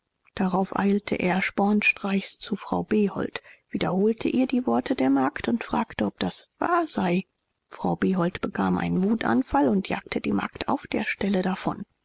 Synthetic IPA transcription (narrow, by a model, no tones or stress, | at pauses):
d̥aʁaʊfʔaɪltʰə̰ʔeːɐʃpɔɐnʃtʁ̥aɪçst͡sufʁ̥aʊbeːhɔ̰ltv̥iːdɐhoːltʰə̰ʔiːɐdiːvɔɐtʰədeːɐmaɐktʊntfʁ̥aːktəɔp̚d̥asv̥a̰ːɐzaɪ | fʁ̥aʊbeːɦɔltb̥əkʰaːmʔa̰ɪnənvuːtʔa̰nfalʊntʰja̰ːk̚tʰəd̥iːma̰ɐktʰa̰ʊfd̥eːɐʃtɛlədafɔ̰n